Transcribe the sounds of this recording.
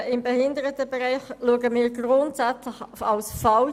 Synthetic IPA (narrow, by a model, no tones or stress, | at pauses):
ɪmbɛhɪndəʁətəbɛʁɛɪχluəɡəmɪːɾɡʁʊntsæt͡slɪχɑlsfɑl